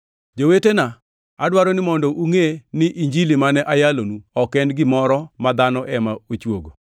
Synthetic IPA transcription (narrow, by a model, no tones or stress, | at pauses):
d͡ʒowetena | adwaɾɔnɪmɔndɔʔuŋenɪʔiɲd͡ʒilimanɛʔajalonuɔkɛndɡɪmɔɾɔmad̪anɔʔɛmaot͡ʃwo̰ɡo